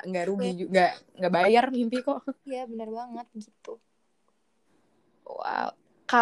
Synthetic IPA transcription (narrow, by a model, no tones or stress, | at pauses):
ŋɡaʔɾuɡid͡ʒuŋɡaŋɡabajarimpikɔʔjjabənərbaŋət̪̚ɡit̪u | a̰ | ka